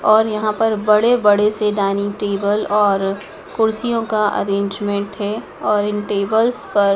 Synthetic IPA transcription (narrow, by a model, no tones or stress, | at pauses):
ɔːɾjɐɦãpɐɾbɐɽebɐɽeseɖaːniʈeːbəlɔːɾ | kʊɾsijõkaʔɐ̰ɾẽːɲd͡ʒmẽɳʈɦɛ | ɔːɾɪnʈeːbəlspɐɾ